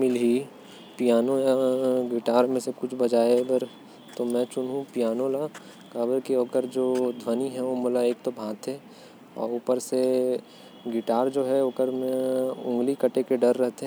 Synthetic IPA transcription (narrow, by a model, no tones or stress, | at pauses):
mɪlɦi | pijaːnojaɡɪʈaːɾmẽsekʊt͡ʃʰbɐd͡ʒaːeɡəɾ | t̪omɛ̃t͡ʃʊnɦũpijaːnõla | kaːbəɾkioːkəɾd͡ʒoːd̪ʱwəniɦɛ̃ʋomolaeːkt̪obʱãːt̪ʰɦɛ | ɔ̰ːɾuːpəɾse | ɡɪʈaːɾd͡ʒoːɦɛoːkəɾmẽʊ̃ŋɡlikɐʈekeɖɐɾːəɦt̪eɦ